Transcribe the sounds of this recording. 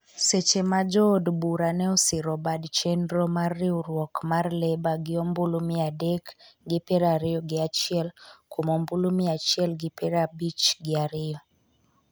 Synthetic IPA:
sɛt͡ʃemad͡ʒɔdbuɾanɛɔsɪɾɔbadt͡ʃɛndɾɔmarːɪuɾwɔkmarlɛbaɡɪɔmbulumɪadɛkɡɪpɛɾaɾɪɔɡɪat͡ʃiɛlkomɔmbulumɪat͡ʃiɛlɡɪpɛɾabit͡ʃɡɪaɾɪɔ

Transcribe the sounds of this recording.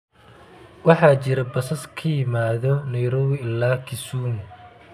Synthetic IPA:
wɑħɑːt͡ʃɪɾɐbɐsɐskʰɐjɪmaːðɔnɐjɾɔːwɪɪlːaːkʰɪsuːn

